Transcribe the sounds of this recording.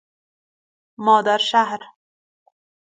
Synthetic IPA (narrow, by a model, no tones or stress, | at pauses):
mɔːd̪aɾʃahɾ